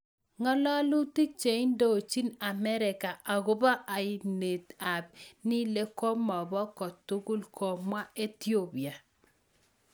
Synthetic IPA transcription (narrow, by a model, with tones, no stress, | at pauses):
ŋɔ˦lɔ˦lu˦ti˦t͡ʃe˨i˦ndo˦˨t͡ʃi˦na˨mɛ˦ɾɪ˨ka˨ʔa˨ɡʊ˦ba˦ʔa˨ɪ˦˨ne˨ta˨b̚nɪ˦le˦ko˦mɔ˨bɔ˦kɔ˨tːu˦ɡu˦lkʰo˨mwa˦e˦t̪jo˦bi˨a˨